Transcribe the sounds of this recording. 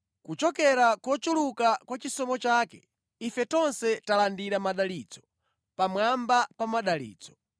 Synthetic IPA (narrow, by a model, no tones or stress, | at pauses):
kut͡ʃɔkɛɾakɔt͡ʃulukakwat͡ʃisɔmɔt͡ʃaːkɛ | ifɛtɔnsɛtalandiɾamaɗaliːt͡sɔ̥ | pamwambapamaɗalḭːt͡sɔ̥